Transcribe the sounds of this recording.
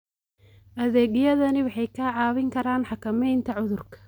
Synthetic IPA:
ʔɐðɛːɣjɐðɐnɪwɑħɑjkʰaːʕɑːβɪŋkʰɐɾaːnħɑkʰɐmɛjnt̪ʰɐʕʊðʊrkʰɐ̥

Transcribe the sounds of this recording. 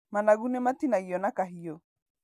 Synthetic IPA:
manaɣunematinaiɔnakaɦiɔ

